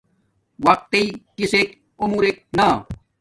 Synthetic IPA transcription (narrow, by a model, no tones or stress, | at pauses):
wɐq̚t̪eikisek | umuːɾek̚na